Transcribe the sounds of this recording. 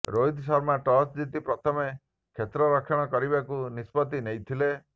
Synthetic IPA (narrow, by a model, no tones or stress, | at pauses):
ɾojd̪ʱsɔɾmaʈɔt͡ʃd͡ʒit̪ipɾɔt̪ʰɔme | kʰet̪ɾɔɾɔkʰɔɽ̃ɔkɔɾibakunispɔt̪̬inejt̪ʰile